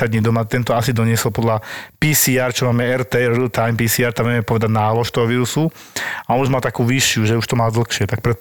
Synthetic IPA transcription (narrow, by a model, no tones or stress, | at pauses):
ad̪ɲid̪ɔmat̪ɛnt̪ɔasid̪ɔɲɪɛsɔlpɔd̪lapisiːaɾt͡ʃɔmaːmɛɛɾt̪ɛɾɾilt̪ajmpiːsiːaːɾt̪amʋɛmɛpɔʋɛd̪aɟnaːlɔʃt̪ɔɦɔʋiːɾusu | aɔnuʒmalt̪akuːʋiʃɪuʒɛuʃt̪ɔmaːld̪l̩xʃɪɛt̪ak̚pɾɛ